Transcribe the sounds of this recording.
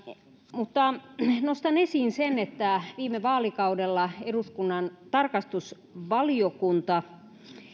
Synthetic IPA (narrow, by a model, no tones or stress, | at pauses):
mut̪ːɑnost̪ɑnesiːnsenet̪ːæʋiːmeʋɑːlikɑudelːɑeɾuskunːɑnt̪ɑrkɑst̪us | ʋɑliokunt̪ɑ